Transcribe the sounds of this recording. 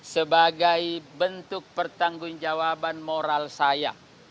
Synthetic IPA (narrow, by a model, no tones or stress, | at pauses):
səbaɡajbənt̪ʊk̚pərt̪aŋɡʊŋd͡ʒawabanmoɾalsaja